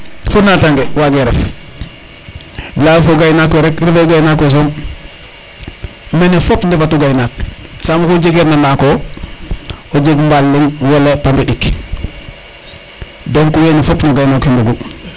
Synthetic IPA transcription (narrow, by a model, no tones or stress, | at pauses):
funataŋɡewaɡeɾḛf | lawfoɡajnakːoɾekɾefeɡajnakːos̬om | menifopndefatuɡajnaksamukod͡ʒeɡeɾnanako | od͡ʒeɡmbalːiŋwalepampiɗik | doŋkuwenifopnoɡajnakimbuɡu